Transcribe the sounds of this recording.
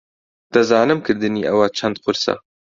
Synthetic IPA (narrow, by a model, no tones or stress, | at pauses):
d̪̥ɐzɑːnɨmkɨɾd̪ɨniːʔɐwɐt͡ʃʰɐnd̪̚qʊɾsɐ̰